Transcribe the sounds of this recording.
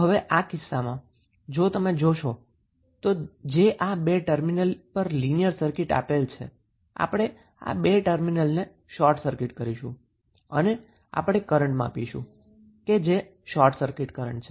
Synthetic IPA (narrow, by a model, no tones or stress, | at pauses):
ɦəʋeʔakɪsːamã | d͡ʒot̪əmed͡ʒoʃo | t̪od͡ʒeʔabeʈəɾminəlpəɾlinijəɾsəɾkɪʈa̰pelt͡ʃʰḛ | a̰pəɽ̃e | a̰beʈəɾminəlne | ʃɔɾʈsəɾkɪʈkəɾiʃṵ̃ | ə̰ne | a̰pɽ̃ekəɾəɳʈmãpiʃṵ̃ | ked͡ʒe | ʃɔɾʈsəɾkɪʈkəɾə̰ɳʈt͡ʃʰe